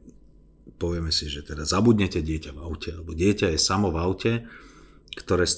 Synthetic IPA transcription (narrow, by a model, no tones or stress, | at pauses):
pɔʋɪɛmɛsiʒɛt̪ɛd̪azabud̪ɲɛcɛɟɪɛcavaʊcɛalɛbɔɟɪɛcajɛsamɔvaʊcɛ | kt̪ɔɾɛːs